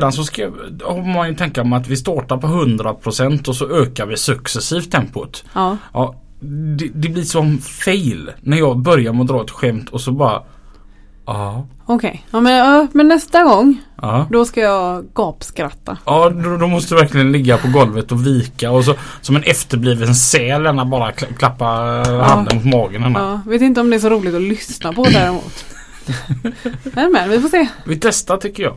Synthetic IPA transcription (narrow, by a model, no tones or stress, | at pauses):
d̪ansɔskahɔmanjɵt̪ʰɛŋkamɛat̪vɪs̬t̪ɑːʈaɾpʰɔɦɵnd̪ɾapʰɾʊsɛnt̪ɔsɔøːkaɾvɪsɵksɛsiːft̪ʰːɛmpʊt̪ːʔɑː | d̪ɛd̪ɛblɪɾsɔmfeɪlnæɾjɑːɡbœɾjaɾmɛɔd̪ɾɑːɛt̪ɧɛmt̪ʰɔsɔbɑːɾa̰ | ɑː | ɔkʰɛ̰jɛɑmɛnːɛst̪aɡɔŋːɑːd̪ɔskajɑːɡɡɑːpskɾat̪ːaɑːd̪d̪ɔmɔst̪əɛvæɾklɪɡənlɪɡːapʰɔɡɔlvət̪ɔviːkaɔs̬ɔsɔmɛnɛft̪əɾbliːvəlssɛːlɛnːat̪̚bɑːɾakkʰlapːahand̪ənmʊt̪mɑːɡənhɛnːaːveːt̪ɪnt̪əɔmd̪ɛæʂ̬ɔɾuːlɪɡt̪ɔlʏsnapɔd̪æːɾɛmṵːt̪ | ɛmɛnvɪfoseːvɪt̪nɛst̪at̪ʰʏkːəjɑ̰ː